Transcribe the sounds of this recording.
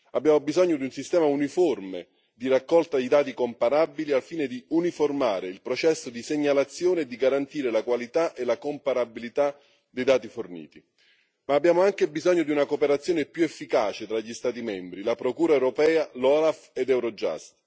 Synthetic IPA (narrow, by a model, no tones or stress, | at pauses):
abːjaːmobizɔɲːod̪iunsist̪ɛːmauniforme | d̪irakːɔlt̪ad̪ijd̪aːt̪ikompaɾabilialfiːned̪iuniformaːɾeilpɾot͡ʃɛsːod̪iseɲːalat̪sːjoːned̪iɡaɾant̪iːɾelakwalit̪aʔelakompaɾabilit̪a | d̪ejd̪aːt̪ifornḭːt̪i | maːbːjaːmoaŋkebizɔɲːod̪iunakopeɾat̪sːjoːnepjuefːikaːt͡ʃet̪ɾaʎːist̪aːt̪̬imɛmbɾilapɾokuːɾaɛwɾopɛːalɔːlafed̪ɛwɾɔd͡ʒa̰st̪